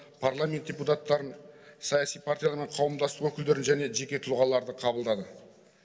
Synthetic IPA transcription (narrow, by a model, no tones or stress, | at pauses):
pʰaɾlˠamʲe̞nt̪̚d̥ʲeput̪at̪ːɑɾənsɑjasijpʰaɾt̪ʲijalɑɾme̞ɴqʰɑwəmd̪ɑst̪əqwɵkʲɪld̪e̞ɾɪnʒæne̞ʒe̞kʲe̞t̪ʰʊlˠʁɑlˠɑɾd̪əqʰɑbəlˠd̪ɑd̪ə